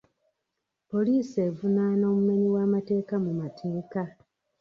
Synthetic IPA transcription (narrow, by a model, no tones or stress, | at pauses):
po̞liːse̞vunaːno̞ːmume̞ɲiwaːmate̞ːkamumatʰeːka